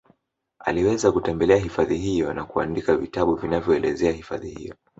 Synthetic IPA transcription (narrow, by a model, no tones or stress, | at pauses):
a̰liwɛzakutɛmbɛlɛaɦifaðiɦijɔnakua̰ndikavitaɓuvinavjɔɛlɛzɛahifa̰ðihḭjɔ